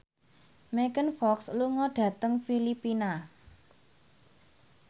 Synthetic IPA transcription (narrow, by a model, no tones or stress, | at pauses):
mɛkənfɔksluŋɔɖ̥ä̤t̪əŋfilipina